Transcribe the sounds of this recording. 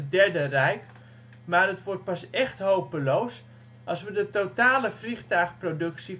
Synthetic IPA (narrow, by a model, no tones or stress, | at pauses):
ədɛɹdərɛjk | maːrətʋɔrt̚pasɛxthowpəlows | ʔɑlˠsʋədətotaːləfrixtœɥxprodɵksi